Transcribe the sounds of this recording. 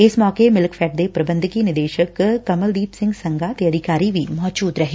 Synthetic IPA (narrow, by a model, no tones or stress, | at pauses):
ɪsmɔːkemɪlkfʰɛːʈ̚d̪eːpɾəbə̃nd̪ʱkiːnɪd̪eːʃəkkəməld̪iːpsɪ̃ŋɡsəŋɡaːt̪eːəd̪ɪkaːɾiʋiːmɔːd͡ʒuːd̪ɾəɦeː